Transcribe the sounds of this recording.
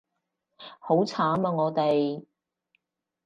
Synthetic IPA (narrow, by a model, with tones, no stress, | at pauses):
ho˨˥wt͡sʰaː˨˥mɐː˧ŋɔː˨˧t̪e˨j